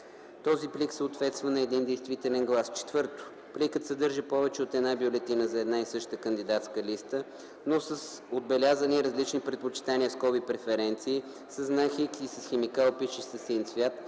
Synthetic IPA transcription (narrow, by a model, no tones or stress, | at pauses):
t̪ɔzipliksəot̪vɛt̪st̪vɐnɐɛd̪ind̪ɛjst̪vit̪ɛlɛnɡlˠast͡ʃɛ̥t̪vɤɾt̪ʊ̥ | plikət̪sɐd̪ɤɾʒəpɔvɛt͡ʃɛot̪ɛd̪nabʲjolɛt̪inəzɐɛd̪naisɤʃt̪əkənd̪id̪at̪skəlist̪ə | nosəs | od̪̚bɛlʲazəniɾəzlit͡ʃnipɾɛt̪̚pot͡ʃi̥t̪aniəskɔbipɾɛfɛɾɛnt̪siː | səznaxikisəsxɛmikalˠpiʃɛsɐsinsvʲjat̪